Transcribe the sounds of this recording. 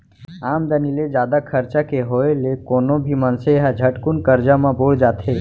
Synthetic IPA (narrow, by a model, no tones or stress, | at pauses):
aːmd̪əniled͡ʒjaːd̪akʰəɾt͡ʃakeɦoelekoːnobʱimənseɦad͡ʒʱəʈkunkəɾd͡ʒamãboːɭd͡ʒaːt̪e